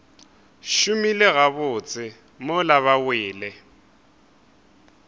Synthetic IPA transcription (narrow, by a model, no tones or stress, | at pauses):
ʃʊmilɪɣaβʊːt͡sʼɪ | mʊlaβawɪːlɛ